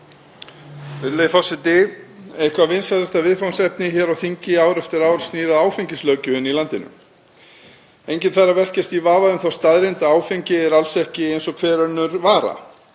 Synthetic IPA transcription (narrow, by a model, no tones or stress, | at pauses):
vɪɾlejfawsɪt̪ɪejhkvavɪnsaθɛst̪avɪðfawnsɛp̚nɪçɛɾawθiɲcɪaːwɾɛft̪ɪɾaːwɾ̥sniːɾaðaːwfiɲcɪslœɥcʏhʏnːilant̪ɪnʏ̰m | ejɲcɪnθarːavɛr̥cɪst̪ivaːvaðʏmθwawst̪aðɾɪnt̪aaːwfiɲcɪɛɾalsɛhcɪejnsɔkʰvɛːɾœnːʏɾvaːɾa̰